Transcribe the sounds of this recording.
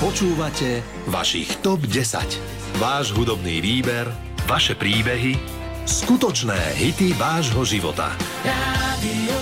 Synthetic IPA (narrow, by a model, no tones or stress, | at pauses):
pɔt͡ʃuːʋacɛ | ʋa̰ʃḭxt̪ɔbɟɛsa̰c | ʋaːʒɦud̪ɔbniːʋiːbɛɾ | ʋaʃɛpɾiːbɛɦi | skut̪ɔt͡ʃnɛ̰ːɦit̪iʋaːʒɦɔʒiʋɔ̰t̪a̰ | ɾad̪i